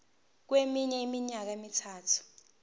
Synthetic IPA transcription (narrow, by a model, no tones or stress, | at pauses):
k̬wemiɲɛimiɲak̬aemitʰaːtʰu̥